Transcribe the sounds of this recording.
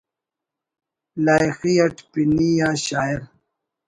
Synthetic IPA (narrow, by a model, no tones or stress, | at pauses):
laːjxiɐʈpinijãːɕaːiɾ